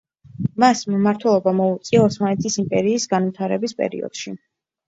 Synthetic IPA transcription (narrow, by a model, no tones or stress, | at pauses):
masmmaɾt̪ʰwɛlˠɔbamɔut̪sʼiaɔsmanɛt̪ʰisimpʼɛɾiːsɡanvit̪ʰaɾɛbispʼɛ̰ɾḭɔ̰d̪̥ʃi